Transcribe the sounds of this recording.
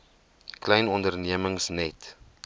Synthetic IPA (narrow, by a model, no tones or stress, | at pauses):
klɛjnɔndərniəməŋsnɛt